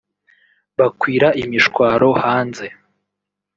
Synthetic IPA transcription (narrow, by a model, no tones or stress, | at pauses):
βakwiːɾaʔimiʃkwaːɾo̞haːnze̞